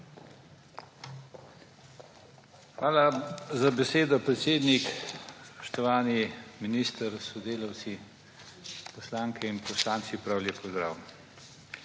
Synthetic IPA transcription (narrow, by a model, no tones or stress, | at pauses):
xʋaːlazabɛseːd̪ɔpɾɛt̪seːd̪nikpɔ̥ʃt̪ɔʋaːniminist̪əɾsɔd̪eːlawt̪si | pɔslaːŋkʰɛinpɔslaːntsipɾawlʲjepɔzd̪ɾa̰ːwm